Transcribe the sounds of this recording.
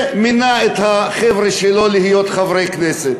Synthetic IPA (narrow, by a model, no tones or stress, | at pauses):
minaet̪haχevɾeʃelo̞lihijo̞t̪χavɾejkneset̪